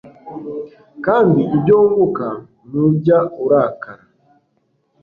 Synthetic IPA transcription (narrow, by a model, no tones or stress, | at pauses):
kandiʔiɟɔŋɡuka | nuɟauɾakaɾa